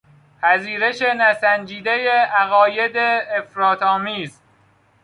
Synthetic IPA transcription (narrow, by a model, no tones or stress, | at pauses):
pʰæziːɾe̞ʃe̞næsænd͡ʒiːd̪ejeæɣɒːje̞d̪eːfɾɒːt̪ʰɒːmiːz